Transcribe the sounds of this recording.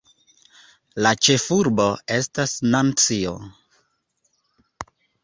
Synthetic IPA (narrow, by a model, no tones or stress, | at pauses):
lat͡ʃe̞fuɾbo̞e̞stasnant͡sio̰